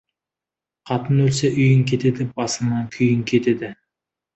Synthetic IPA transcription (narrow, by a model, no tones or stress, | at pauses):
qʰɑt̪ənɵlseʔʏjɪŋkʲʰe̞t̪ed̪ɪbɑsənɑŋkʲʰʏjɪŋkʲʰe̞t̪ed̪ɪ